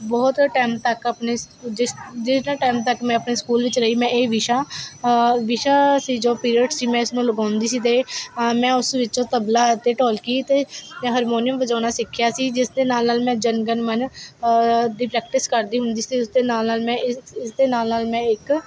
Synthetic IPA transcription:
bɔːt̪ʈɛːmt̪əkəpneː | ɪd͡ʒɪsnãːʈaːmt̪əkmɛ̃ːəpneːskuːlʋɪt͡ʃɾəiːmɛ̃ːeːʋɪʃaː | ʋɪʃaːsiːd͡ʒoːpiːɾiːʈsiːmɛ̃ːɪsnũːləɡãːnd̪iːsiːt̪eːmɛ̃ːʊsʋɪt͡ʃõːt̪əblaːt̪eːʈoːlkiːt̪eːɦəɾmoːnijəmʋəd͡ʒãːnaːsɪkʰːjaːsiːd͡ʒɪsd̪eːnaːlnaːlmɛ̃ːd͡ʒənɡənmən | d̪iːpɾɛːk̚ʈɪskəɾd̪iːɦʊnd̪iːsiːʊsd̪eːnaːlnaːlmɛ̃ːɪɪsd̪eːnaːlnaːlmɛ̃ːɪk

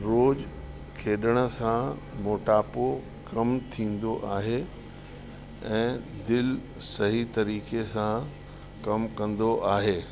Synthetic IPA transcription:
ɾoːd͡ʑ | kʰeːɗəɽ̃ə̆sã | moːʈaːpo | kɐmt̪ʰĩːn̆d̪oʔaːɦe | ɛ̃ːd̪ɪl | sɐɦit̪ɐɾiːkesã | kɐmkɐ̃nd̪oʔaːɦeː

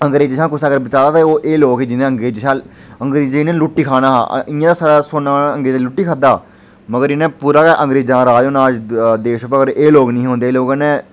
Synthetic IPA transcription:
əŋɡɾeːd͡ʒɪʃãːkʊsaɡəɾbət͡ʃaːɾaːt̪aoːʔeːloːɡed͡ʒɪnẽəŋɡɾeːd͡ʒʃãː | əŋɡɾiːd͡ʒenẽːlʊʈːiːkʰaːnaːɦa̰ːɪãːt̪aːsaːɽaːsoːnãːə̃ŋɡeːd͡ʒːlʊʈːiːkʰad̪aː | məɡəɾɪnẽːpuːɾaːkɛːʔə̃ŋɡɾeːd͡ʒãːɾaːoːnaːd͡ʒd̪eːʃəpəəəɾeːloːɡnĩːɦõːnd̪eːloːɡãːnẽː

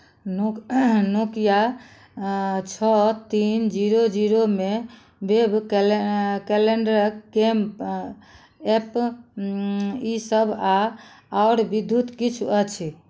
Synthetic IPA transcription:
nonokja | t͡ʃʰɔt̪ind͡ʒiɾod͡ʒiɾome | beb | keleɳɖəɾkɡem | ep | isəba | oɾbid̪ʱjut̪kit͡ʃʰuət͡ʃʰi

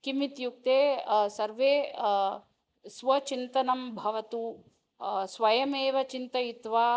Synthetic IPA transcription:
kimit̪juk̚t̪eːsɐɾʋeː | sʋɐt͡ʃint̪ɐnɐmbʱɐʋɐt̪u | sʋɐjɐmeːʋɐt͡ʃint̪ɐjit̪ʋaː

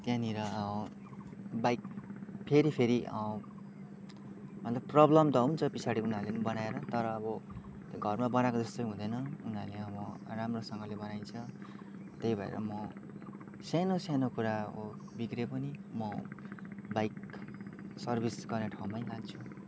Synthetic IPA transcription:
t̪jãniɾʌʌ | bajkpʰeɾipʰeɾiʌ | mʌt̪lʌbprʌblʌmt̪ʌɦunt͡sʰʌpisʰaɽiunɦaɾlenibʌnaeɾʌt̪ʌɾʌːbʌ | t̪ɡʱʌrmabʌnakod͡zʌst̪ojɦũd̪ʌjnʌunaleʌβʌramrosʌŋɡʌlebʌnajt͡sʰʌ | t̪ʌjbʱʌḛɾʌ̰mʌ | sanosanokuɾao | bikrepʌnimʌ | bajk | sʌrbʱisɡʌrneʈʰaw̃mʌjlaɡ̚t͡sʰu

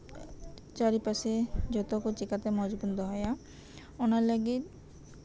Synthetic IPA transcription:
t͡ʃaɾipased͡ʒɔt̪okot͡ʃikat̪emɔd͡ʒbund̪ɔɦɔja | onalaɡi

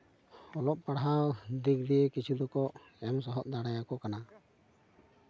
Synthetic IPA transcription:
ɔlɔp̚paɽɦawd̪ikɾijekit͡ʃʰud̪ɔkɔʔ | ɛms̬ɔɦɔʔ̚d̪aɽajakɔkana

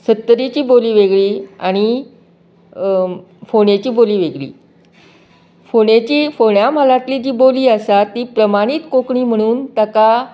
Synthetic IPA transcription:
sət̪ːɾit͡ɕiːboliːʋeɡɭiːa̰ɽ̃i | foɽet͡ɕiːboliːʋeɡɭḭː | foɽ̃et͡ɕiːfoɽjam̤alat̪liːd͡ʑiːboliːəsat̪iːpɾəmaɽ̃it̪kokɳiːm̤əɽ̃uːnt̪aka

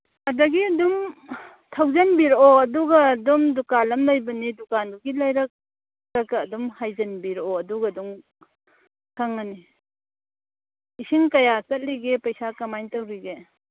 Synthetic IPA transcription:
adɐɡiɐdum | tʰawzɐnbiɾɔːduɡaːdumdukalɐmlajbɐnidukanbuɡilajɾɐk̚ | ɾakaːdumhajzɐnbiɾɔɐduɡaduŋ | kʰaŋːani | isiŋkajasɐt̚liɡepajsakamajntawɾiɡe

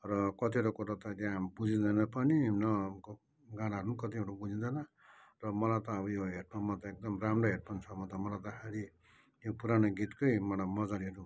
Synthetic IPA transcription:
rʌkʌt̪iɾokuɾat̪ʌd̪jãbud͡zid̪ʌnapʌninʌk | ɡanaɦʌɾunkʌt̪iɦoʈubud͡zid̪ʌna | rʌmʌlat̪ʌːbʌjoɦeʈ̚mamʌt̪ʌek̚d̪ʌmramroɦeʈ̚mant͡sʰʌmʌt̪ɔmʌlat̪ʌkʰaɾi | jopuɾanoɡit̪kojmʌɽamʌd͡zaɾiɦʌɾu

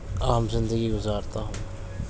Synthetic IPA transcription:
aːmzɪ̃nd̪əɡiɡʊzaːɾt̪aɦʊ̃ː

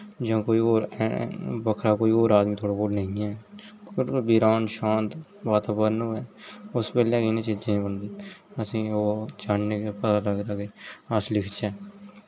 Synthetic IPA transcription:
d͡ʒãːkoːiːoːɾ | bəkʰɾaːkoːiːoːɾaːd̪mĩːt̪ʰoːɽaːkoːlnəɦĩːɛː | ɾbiːɾaːnʃãːnt̪ | baːt̪aːbəɾnõːɛːʊspɛːlẽːkɪnẽːt͡ʃɪd͡ʒ̪ẽːbənd̪eːəsĩːoːt͡ʃaːɳneːkeːpət̪aːləɡd̪aːkeːəslɪkʰt͡ʃɛː

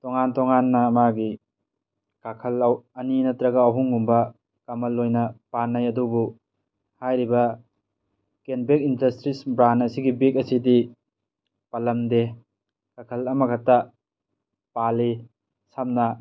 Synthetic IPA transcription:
tɔŋantɔŋanːɐːmaɡi | kakʰɐlawɐninɐtɾɐɡaːɦuŋɡumbɐ | kamɐlːojnɐpanːajɐdubu | hajɾibɐ | kenbek̚indɐstɾisbɾanɐsiɡibek̚ɐsidi | pɐlɐmde | kakʰɐlɐmɐkʰata | pali | samnɐ

